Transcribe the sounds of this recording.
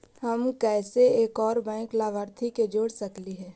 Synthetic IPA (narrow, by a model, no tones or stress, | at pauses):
həmkɛːseeːkɔːɾbɛ̃ːklaːʋəɾt̪ʰiked͡ʒoːɽsəkliɦɛː